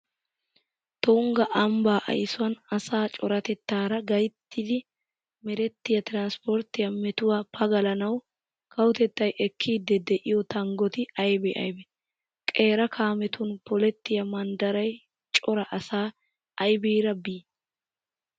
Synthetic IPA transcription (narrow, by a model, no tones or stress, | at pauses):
t̪ʊŋɡɐʔɐmbaːʔɐ̰jsʊwɐnɐsaːt͡ʃʼɔɾɐt̪ɛt̪ːaːɾɐɡɐjt̪ːɪd̪ɪ | mɛɾɛt̪ːɪjɐt̪ɪɾanspɔɾt̪ːɪjɐmɛt̪ʊwaːpʰɐɡɐlɐnɐw | kʰɐwʊt̪ɛt̪ːɐjʔɛkʰːiːd̪ɛd̪ɛʔɪjɔt̪ɐŋɡɔt̪ɪɐjbɛʔɐ̰jbɛ | kʼe̞ːɾɐkʰaːmɛt̪ʊnpɔlɛt̪ːɪjɐmɐnd̪ɐɾɐj | t͡ʃʼɔɾɐʔɐsaː | ɐjbiːɾɐbiː